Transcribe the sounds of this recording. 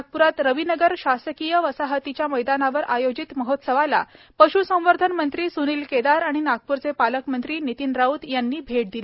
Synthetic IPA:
k̚puɾat̪ɾəʋinəɡəɾɕasəkijəʋəsaɦət̪it͡ɕjaməjd̪anaʋəɾʔajod͡ʑit̪məɦot̪səʋala̰ | pəɕusə̃w̃ʋəɾd̪ʱənmənt̪ɾiːsuniːlked̪aɾaɽ̃inaɡ̚puɾt͡sepaləkmənt̪ɾiːnit̪inɾaut̪janːiːbʱeʈ̚d̪ili

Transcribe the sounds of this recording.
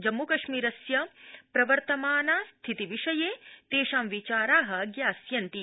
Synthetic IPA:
d͡ʒɐmːukɐʃmiːɾɐsjɐpɾɐʋɐɾt̪ɐmaːnaːst̪ʰit̪iʋiʂɐjeːt̪eːʃaːmʋit͡ʃaːɾaːɦɐɡjaːsjɐnt̪i

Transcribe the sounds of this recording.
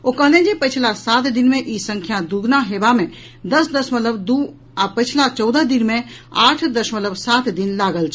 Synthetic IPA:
oːkɐɦlẽd͡ʒepɪt͡ʃʰlasaːt̪d̪ɪnmẽʔisə̃ŋkʰjad̪uɡnaɦeːbamẽ | d̪ɐsd̪əsmət̪ləbd̪u | apət͡ʃʰlat͡ʃɔːd̪əd̪ɪnmẽaːʈʰd̪ɐʃmət̪ləbsaːt̪ʰd̪ɪnlaːɡəlt͡ʃʰ

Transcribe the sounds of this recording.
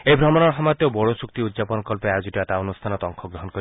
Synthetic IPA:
ejbʱɾɔmɔnɔɾɦɔmat̪jobɔɽosuk̚t̪iud̪zapɔnɔkɔlpead͡ʒuʈiat̪aonust̪ʰanɔt̪ɔŋkʰɔɡɾɔɦɔnkɔɾi

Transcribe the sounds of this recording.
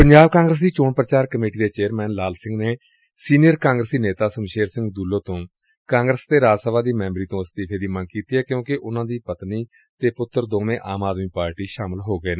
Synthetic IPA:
pəɲd͡ʒaːbkãːŋɡɾəs̬d̪iːt͡ʃoːpɾət͡ʃaːɾkəmeːʈiːd̪eːt͡ʃeːəɾmɛːnlaːlsɪ̃ŋɡneː | siːnijəɾkãːŋɡɾəsiːneːt̪aːsəmʃeːɾsɪ̃ŋɡd̪uːloːt̪õː | kãːŋɡɾəst̪eːɾaːd͡ʒsəbaːd̪iːmɛ̃ːmbəɾiːt̪õːəst̪iːpʰeːd̪iːmənkiːt̪iːɦɛːkjõːkɪʔʊnãːd̪iːpət̪niː | t̪eːpʊt̪ːəɾd̪oːmẽːʔaːmaːd̪miːpaːɾʈiːʃaːməlɦoːɡəeːnː

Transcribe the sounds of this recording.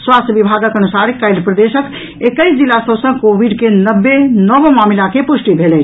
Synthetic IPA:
swast̪ʰjəbibʱaɡəkənusaɾikːajd̪pɾəd̪esək | ekəjsd͡ʒilːasəbsə̃kobiɖkenəbːenəbmamilakepusʈibʱelɛ

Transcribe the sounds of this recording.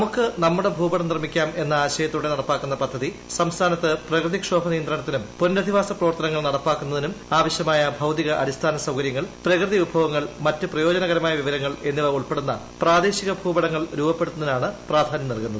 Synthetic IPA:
ɐmukːɨnɐmːuɽe̞bʱuːbɐɽɐmnirmikʲːaːme̞nːɐaːɕɐjɐt̪ːuɽe̞nɐɽɐpːaːkːunːɐpɐd̪ʱːɐði | sɐmst̪ʰaːnɐt̪ːɨprɐkrɨðikʂoːbʱɐnijɐnd̪ɾɐɳɐt̪ːinumpundɐd̪ʱiʋaːsɐprɐʋɐrt̪ɐnɐŋːɐɭnɐɽɐpːaːkːunːɐðinumaːʋɐɕjɐmaːjɐbʱɐwt̪iɣɐʔɐ̰dist̪ʰaːnɐsɐwkɐɾjɐŋːɐɭprɐkrɨðiubʱɐʋɐŋːɐɭmɐtːɨprɐjo̞ːd͡ʑɐnɐɣɐɾɐmaːjɐʋiʋɐɾɐŋːɐɭe̞nːiʋɐuɭpe̞ɽunːɐ | praːd̪e̞ːɕiɣɐbʱuːbɐɽɐŋːɐɭɾuːbɐpːeɽt̪unɐðinaːɳɨpraːd̪ʱaːnjɐmnɐlkunːɐð

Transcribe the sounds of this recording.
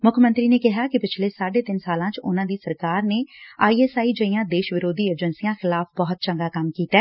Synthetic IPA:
mʊkʰmə̃nt̪ɾiːneːkɪɦaːkɪpɪt͡ʃʰleːsaːɖeːt̪ɪnsaːlãːt͡ʃʊ̰nãːd̪iːsəɾkaːɾneːaːiːɛːsaːiːd͡ʒəijãːd̪eːʃʋɪɾoːd̪iːəd͡ʒənsijãːxɪlaːfʰbɔːʊt̪̚t͡ʃəŋɡaːkəmkiːt̪ɛː

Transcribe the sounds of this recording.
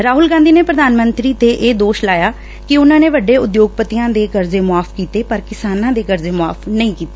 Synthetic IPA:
ɾaːɦʊlɡãːnd̪iːneːpɾəd̪aːnmənt̪ɾiːt̪eːʔeːd̪oːʃlaːjaː | kɪʊnãːneːʋəɖeːʊd̪joːɡ̚pət̪ijãːd̪eːkəɾzeːmʊaːpʰkiːt̪eːpəɾkɪsaːnãːd̪eːkəɾzeːmʊaːpʰnəĩːkiːt̪e̥ː

